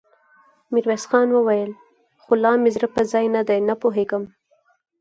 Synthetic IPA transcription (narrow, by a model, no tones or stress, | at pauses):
mɪɾwesxɑnwəwajəl | xolɑmɪzɾəpəzɑjnad̪ajnapoɦeɡəm